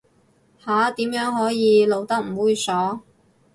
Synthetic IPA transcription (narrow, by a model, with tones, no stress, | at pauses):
haː˨˥t̪iː˨˥mjœː˨˥ŋɦɔː˨˥jiː˨˧lo˨wt̪ɐ˥k̚m̩˨˩wuː˨˧jsɔː˨˥